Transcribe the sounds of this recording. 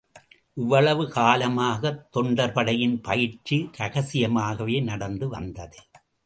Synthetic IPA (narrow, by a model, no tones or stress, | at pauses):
ʔɪʋːɐɭɐʋɯkaːlɐmaːɣɐt̪ːɔɳɖɐɾpɐɽɐjɪnpɐjɪɾt͡ʃiɾɐɣɐsɪjɐmaːɣɐʋeːnɐɽɐnd̪ɯʋɐ̰nd̪ɐðɯ